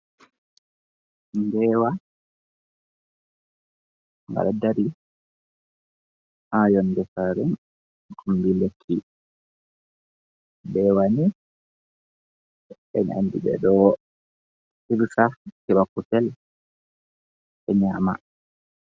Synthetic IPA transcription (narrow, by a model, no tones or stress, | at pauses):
ndɛːwa | ŋɡa̰ɗadaɾi | hajɔndɛsaɾɛn | kʰumbilekʰːi | bɛwani | ɛ̰na̰ndḭɓɛ̰ɗɔ | hiɾsakɛɓakutɛl | ɓɛɲaːma̰